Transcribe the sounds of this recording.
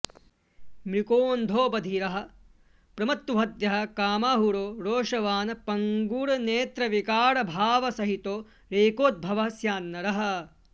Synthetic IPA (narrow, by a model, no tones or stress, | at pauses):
mɾikoːnd̪ʱoːbɐd̪ʱiɾɐɦɐ̆ | pɾɐmɐt̪uɦɐd̪jɐɦɐ̆kaːmaːɦuɾoːɾoːʂɐʋaːnɐpɐŋɡuːɾɐneːt̪ɾɐʋikaːɾɐbʱaːʋɐsɐɦit̪oː | ɾeːkoːt̪̚bʱɐʋɐɦɐsjaːnːɐɾɐɦɐ̆